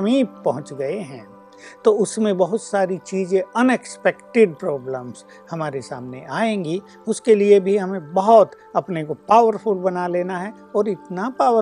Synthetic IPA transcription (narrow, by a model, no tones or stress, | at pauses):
miːpɐɦʊ̃t͡ʃɡɐeɦɛ̃ː | t̪oʊsmẽbɐɦʊt̪saːɾit͡ʃiːzẽɐnekspɛkʈɪɖ̚pɾɔːbləms | hɐmaːɾesa̰ːmneʔaːẽːŋɡi | ʊskeliebʱiɦɐmẽbɐɦʊt̪ | ɐpnekopaːʋəɾfʊlbɐnaleːnaɦɛ | ɔːɾɪt̪napaːə